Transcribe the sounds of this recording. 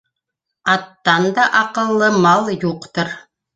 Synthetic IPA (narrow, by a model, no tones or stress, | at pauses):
ɑt̪ːɑnd̪ɑʔɑqɤ̆lˠːɤmɑlˠjuqt̪ɤɾ